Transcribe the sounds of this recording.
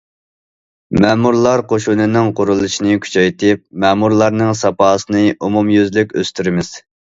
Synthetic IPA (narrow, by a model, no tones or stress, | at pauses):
mɛmuɾlˠɑɾqoʃunɨnɪŋqʰʊɾulˠɨʃinɨkʲʰy̥t͡ʃʰɛjt̪ɪp̚mɛmuɾlˠɑɾnɨŋsɑpɑːsɨnɨʔumumjøzlykʲø̰st̪ʰyɾɪmɪz̥